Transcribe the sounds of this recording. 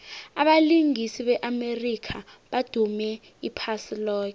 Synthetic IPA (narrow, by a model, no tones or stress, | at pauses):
aɓaliŋisiɓɛʔamerikʰaɓad̥ʱumɛ | ipʰasilɔːk̬ɛ